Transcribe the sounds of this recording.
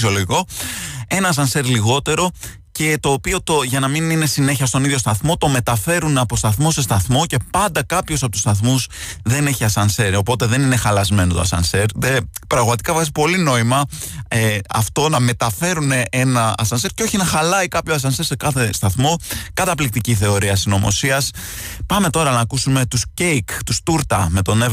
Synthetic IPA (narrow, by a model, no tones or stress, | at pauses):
sio̞loʝiko̞e̞nɐːs̬ɐnse̞ɾliɣo̞t̪e̞ɾo̞ | ce̞t̪o̞ːpio̞t̪oʝɐnɐminine̞sine̞çiɐst̪o̞niðʝjo̞st̪ɐθmo̞t̪o̞me̞t̪ɐfe̞ɾuneɐpost̪ɐθmo̞se̞st̪ɐθmo̞ce̞pɐnd̪ɐkɐpçosɐpo̞t̪u̥st̪ɐθmus | ðe̞ne̞çiɐsɐnse̞ɾopo̞t̪e̞ðe̞nine̞xɐlɐzme̞not̪oɐ̰sɐ̰nseɾðepɾɐɣmɐt̪ikɐfɐsi̥po̞lino̞imɐeɐ̰ft̪o̞nɐme̞t̪ɐfe̞ɾune̞ʔenɐɐ̰sɐnse̞ɾceo̞çinɐxɐlɐikɐpçoɐs̬ɐnse̞ɾse̞kɐθe̞st̪ɐθmo̞kɐt̪ɐplik̚t̪iciθe̞o̞ɾiɐsino̞mo̞̰siɐs | pɐme̞t̪o̞ɾɐnɐːkusume̞t̪uscejkt̪ust̪uɾt̪ɐ̰me̞t̪o̞ne